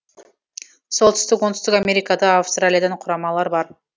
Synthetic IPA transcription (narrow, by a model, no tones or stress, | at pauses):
so̞lˠt̪ʰʏ̥st̪ɪkwo̞nt̪ʏst̪ɪkamʲe̞ɾijkɑd̪ɑafst̪ralʲijad̪ɑɴqʰʊɾɑmɑlˠɑɾbɑɾ